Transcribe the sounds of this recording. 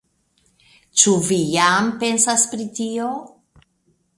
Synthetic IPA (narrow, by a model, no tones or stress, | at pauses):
t͡ʃuvijampe̞nsaspɾitio